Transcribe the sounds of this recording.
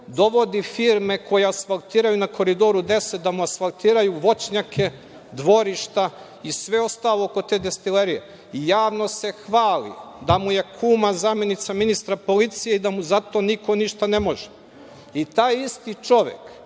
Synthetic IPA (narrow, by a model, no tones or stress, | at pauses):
d̪o̞ʋo̞d̪ifiɾmeko̞jeasfalˠt̪iːɾajunako̞ɾid̪o̞ɾud̪e̞sed̪amuasfalˠt̪iːɾajuʋo̞t͡ɕɲakʰe̞ | d̪ʋo̞ɾiʃt̪a | isʋe̞o̞st̪aːlˠooko̞t̪e̞ːd̪e̞st̪ileɾijḛ | ijaːʋno̞se̞xʋaːlḭd̪amuje̞kʰuːmazamje̞nit̪saminist̪ɾapo̞lit̪sijeid̪amuzat̪o̞niko̞niʃt̪anemo̞ʒe | it̪aːjist̪it͡ʃo̞ʋḛk